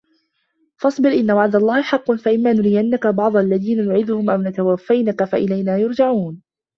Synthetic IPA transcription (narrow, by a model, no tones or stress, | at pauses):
fɑsˤbɪɾʔɪnːawaʕd̪alˤːɑːhɪħɑqːɑnfaʔɪmːaːnʊɾɪjanːakabɑʕd̪ˤɑʔalːaðiːnanʊʕɪðʊhʊmʔawnat̪awafːajnakafaʔɪlajnaːjʊɾd͡ʒaʕuːn